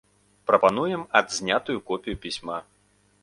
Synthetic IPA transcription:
pɾɐpan̪ujɛmɐd̪zʲnʲat̪ujukɔpʲijupʲisʲma

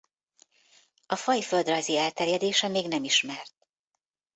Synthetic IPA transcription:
ɒfɒjføld̪rɒjziɛlt̪ɛrjɛd̪eːʃɛmeːɡnɛmiʃmɛrt̪

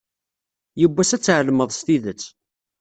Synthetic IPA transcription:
jəbːæsæt͡sːʕəlməðˤst̪iðət͡sː

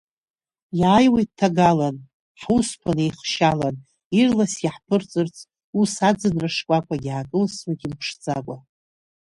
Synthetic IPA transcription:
jaːjwejt̚tʰːaɡalan | ħuspʰanejχʃalan | irlasaħpʰɨrt͡sʼɨrt͡sʰʼ | usad͡zɨnraʂkʷʼakʷʼaɡʲakʼɨlswakʲʼimpʰʂd͡zʼakʷʼa

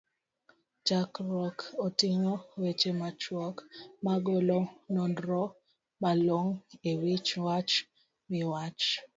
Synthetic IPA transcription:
d͡ʒakɾɔkotiŋowet͡ʃemat͡ʃwɔkmaɡolonɔndɾɔ | maloŋewit͡ʃwat͡ʃ | mɪwat͡ʃ

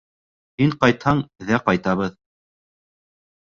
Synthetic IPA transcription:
hiɴqɑjt̪hɑɴðæqɑjt̪ɑβɤð

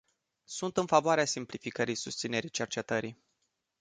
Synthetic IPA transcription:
sunt̪ɨnfavoaɾeasimplifikəɾisust̪sine̞ɾit͡ʃe̞rt͡ʃe̞t̪əɾi

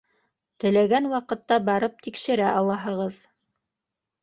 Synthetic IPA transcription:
t̪ɘ̆læɡænwɑqɤ̆t̪ːɑbɑɾɤp̚t̪ikʃɘ̆ɾæʔɑlˠɑɦɤ̆ʁɤð

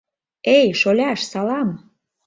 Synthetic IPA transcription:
ejʃolʲɑʃsɑlɑm

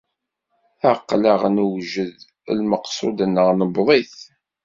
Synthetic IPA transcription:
aqːləʁnuwʒəð̰ | lməqsˤod̪nːəʁnəbðˤiθ

